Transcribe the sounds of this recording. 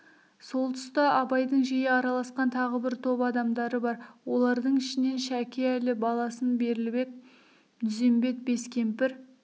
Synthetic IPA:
so̞lˠt̪ʰʊ̥st̪ɑʔɑbɑjd̪əɴʒijɪɑɾɑlˠɑsqɑnt̪ʰɑʁəbɪɾt̪ʰo̞pɑd̪ɑmd̪ɑɾəbɑɾwo̞lˠɑɾd̪əɴɪʃɪne̞nʃækʲeælɪbɑlˠɑsənbe̞ɾɪlbe̞k̪̚ | d̪ʏze̞mbe̞t̪̚be̞skʲe̞mpɪɾ

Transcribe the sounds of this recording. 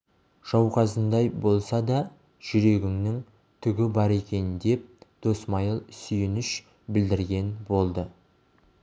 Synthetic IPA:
ʒ̥ɑwqɑzənd̪ɑjbo̞lˠsɑd̪ɑ | ʒ̥ʏɾe̞ɡʲɪŋnɪŋ | t̪ʰʏɡʲɪbɑɾe̞kʲe̞nd̪e̞p̚d̪̥o̞smɑjəlˠsʏjɪnɪʃ | bɪld̪ɪɾɡʲe̞nbo̞lˠd̪ə

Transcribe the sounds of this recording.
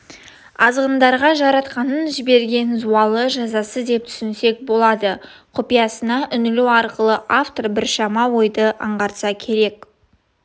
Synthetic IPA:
ɑzʁənd̪ɑɾʁɑʒɑɾɑt̪qɑnənʒɪbe̞ɾɡʲe̞nzuɑlˠəʒɑzɑsəd̪e̞p̚t̪ʰʏ̥sɪnse̞k̚bo̞lˠɑd̪əqʰʊpijɑsənɑʔʏnɪluɑɾqəlˠəʔaft̪orbɪɾʃɑmɑwo̞jd̪əʔɑ̰ɴʁɑɾt̪sɑkʲʰe̞ɾe̞k

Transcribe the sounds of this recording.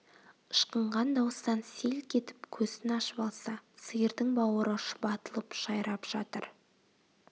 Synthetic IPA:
əʃqəɴʁɑnd̪ɑwəst̪ɑnse̞lkʲʰe̞t̪ɪ̥pkʲʰɵzɪnɑʃəbɑlˠsɑsəjəɾd̪ɪŋbɑwəɾəʃʊ̥bɑt̪əlˠəpʒ̥ɑjɾɑpʒ̥ɑt̪əɾ

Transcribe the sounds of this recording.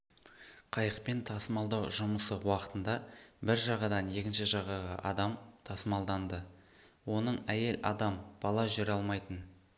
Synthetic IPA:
qʰɑjəqpe̞nt̪ʰɑsəmɑlˠd̪ɑwʒʊməsəwɑqə̥t̪ənd̪ɑbɪɾʒɑʁɑd̪ɑnje̞kʲɪnʃɪʒɑʁɑʁɑ̰ʔɑ̰d̪ɑmt̪ʰɑsəmɑlˠd̪ɑnd̪ə | wo̞nəɴæje̞lɑ̰d̪ɑmb̥ɑlˠɑʒʏɾɑlˠmɑjt̪ən

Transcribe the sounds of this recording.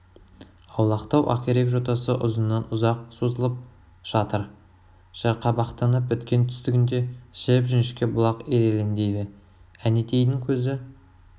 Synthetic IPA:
ɑwlˠɑqt̪ɑwʔɑ̰qʲeɾe̞kʒo̞t̪ɑsəʔʊ̰zənːɑnʊzɑq̚sozəlˠəp̚ | ʒ̥ɑt̪əɾ | ʒ̥ɑɾqɑbɑqt̪ɑnəp̚bʏt̪kʲe̞nt̪ʰʏ̥st̪ɪɡʲɪnd̪e̞ʃɪpʒʏnʃkʲebʊlˠɑqeɾe̞lend̪e̞jd̪ɪ | ænet̪ʰejd̪ɪŋkʲʰɵzɪ

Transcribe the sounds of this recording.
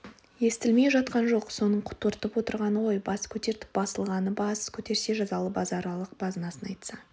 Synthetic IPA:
je̞st̪ɪlme̞jʒɑt̪qɑnʒo̞qso̞nəɴqʰʊ̥t̪ːəɾt̪əpwo̞t̪əɾʁɑnəwo̞jbɑskʲʰɵt̪e̞ɾt̪ɪ̥p̚bɑsəlˠʁɑnəbɑskʲʰɵt̪e̞ɾse̞ʒɑzɑlˠəpbɑzɑɾɑlˠəq̚b̥ɑzənɑsənɑjt̪sɑ

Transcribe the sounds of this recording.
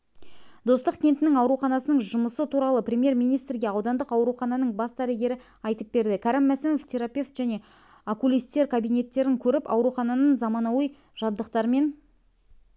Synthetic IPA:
d̪o̞st̪əqkʲʰe̞nt̪ɪnɪŋɑwɾuχɑnɑsənəɴʒʊməsət̪ʰuɾɑlˠəprʲe̞mje̞ɾmijnijst̪ɾɡʲe̞ɑwd̪ɑnd̪əqɑwɾuχɑnɑnəɴbɑsd̪æɾeɡʲe̞ɾɪ | ɑjt̪əp̚be̞ɾd̪ɪkʲʰɑɾɪmːæsɪnoft̪ʲʰe̞ɾapʲe̞ft̪ʒ̥æne̞ | akulʲijst̪e̞ɾkʰabijne̞t̪ːe̞ɾɪŋkʲʰɵɾɪpɑ̰wɾuχɑnɑnənzɑmɑnɑwəj | ʒ̥ɑbd̪əqt̪ɑɾme̞n

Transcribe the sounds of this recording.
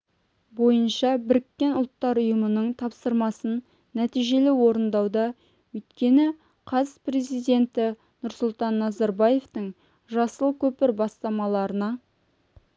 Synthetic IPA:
bo̞jənʃɑbɪɾɪkʲːe̞nʊlˠt̪ːɑɾʊjəmənəɴt̪ʰɑpsəɾmɑsənː | æt̪ijʒe̞lɪwo̞ɾənd̪ɑwd̪ɑ | wɵjt̪kʲe̞nɪ | qʰɑzpre̞zijd̪e̞nt̪ɪ | nʊɾsʊlˠt̪ɑnːɑzɑɾbɑje̞ft̪əɴ | ʒɑsəlˠkʲʰɵpɪɾbɑst̪ɑmɑlˠɑɾənɑ

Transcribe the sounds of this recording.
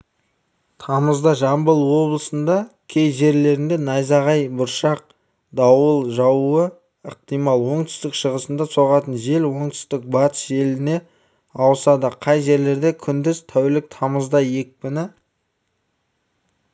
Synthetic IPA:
t̪ʰɑməzd̪ɑʒɑmbəlˠwo̞blˠəsənd̪ɑkʲʰe̞jʒe̞ɾle̞ɾɪnd̪e̞nɑjzɑʁɑjbʊɾʃɑq̚ | d̪ɑwəlˠʒɑwuə | əq̚t̪ijmɑlˠwo̞ɴt̪ʏ̥st̪ɪkʃəʁəsənd̪ɑso̞ʁɑt̪ənʒe̞lwo̞ɴt̪ʏ̥st̪ɪk̚bɑt̪ə̥sʒe̞lɪne̞ | ɑwəsɑd̪əqʰɑjʒe̞ɾle̞ɾd̪e̞kʲʰʏnd̪ɪzt̪ʰæwlɪk̚t̪ʰɑməzd̪ɑje̞k̚pɪnɪ

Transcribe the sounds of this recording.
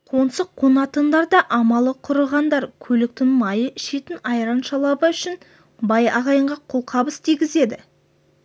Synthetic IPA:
qʰo̞nsəqʰːonɑt̪ənd̪ɑɾd̪ɑʔɑmɑlˠəqʰʊɾəʁɑnd̪ɑɾkʲʰɵlɪk̚t̪ɪŋmɑjəɪʃet̪ɪnɑjɾɑnʃɑlˠɑbəʏʃɪn | bɑjɑʁɑjəɴʁɑqʰʊlˠqʰɑbəst̪ʰijɡʲɪze̞d̪ɪ

